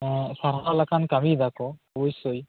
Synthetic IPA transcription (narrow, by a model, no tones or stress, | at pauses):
saɾalakʰankamidakɔɔbɔjsoj